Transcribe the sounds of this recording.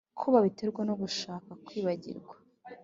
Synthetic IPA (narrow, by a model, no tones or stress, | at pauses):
kʰuβaβite̞ɾɡwanoɡuʃaːkakwiːβaɟḭɾɡwa